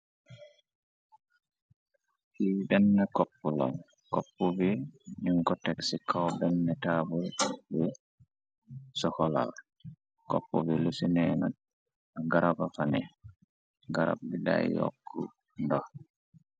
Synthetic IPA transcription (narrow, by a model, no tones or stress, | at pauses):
hibɛnːɛkɔpːula̰l | kɔpːubiɲiŋkɔtɛksikʰawbɛnːɛtaːbulbɛ | sɔkɔla̰l | kɔpːɔbilusinɛna | aɡaɾabafanɛ̰ | ɡaɾa̰b̚bida̰jjɔ̰kʰːṵ | ndɔh